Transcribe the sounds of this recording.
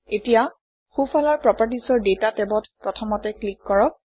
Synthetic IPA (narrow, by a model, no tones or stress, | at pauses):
etija | xufʰɔlaɹpɹɔpaɹtisɔɹdetatɛbɔtpɹɔtʰɔmɔtɛklikːɔɹɔk̚